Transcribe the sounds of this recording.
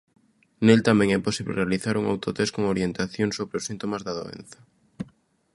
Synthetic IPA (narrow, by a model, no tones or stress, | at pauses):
nelt̪amẽŋɛposiβlḛrealiθaɾuŋa̰wt̪ot̪eskoŋoɾjent̪aθjoŋsoβɾeosint̪omazðaðo̰ḛn̟θɐ